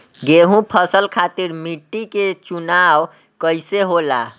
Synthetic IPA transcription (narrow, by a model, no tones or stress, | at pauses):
ɡeɦũpʰəsəlkʰat̪iɾmiʈːiket͡ʃunaw | kəjseɦola̰